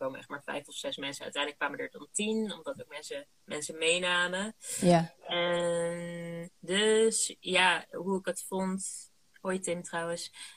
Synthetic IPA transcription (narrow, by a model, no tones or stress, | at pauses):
kowməɛχtmaːɹfɛ̰jfɔfsɛsmɛnsəœ̰tɛjndləkʋaːmədəɹdɑntinɔmdɑtowkmɛnsə | mʔɛnsəmejnaːmə | ɛndøsjaːɦuɪɡətfɔnt | oːjtɪmtrʌwəns